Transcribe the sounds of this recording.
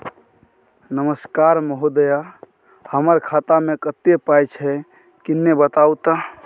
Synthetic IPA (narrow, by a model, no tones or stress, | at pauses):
nəməskaɾməɦod̪əja | həməɾkʰat̪amekət̪epajt͡ʃʰɛ | kinːebət̪aut̪a